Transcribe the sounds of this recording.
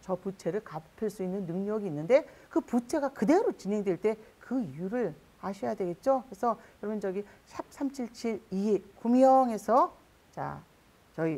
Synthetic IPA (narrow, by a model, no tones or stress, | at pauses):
t͡ɕʌput͡ɕʰe̞ɾɯɭkapʰiɭs͈uinːɯnːɯŋɲʌɡiːnːɯnde̞kɯput͡ɕʰe̞ɡakɯde̞ɾot͡ɕinɦe̞ŋdwe̞ɭt͈e̞kɯijuɾɯɭ | aɕʰʌjadwe̞ɡe̞t̚t͡ɕ͈okesʰʌjʌɾʌbɯnd͡ʑʌɡi | ɕʰip̚sʰamt͡ɕʰiɭt͡ɕʰiɾikumjʌŋe̞sʰʌ | t͡ɕa̰ | t͡ɕʌi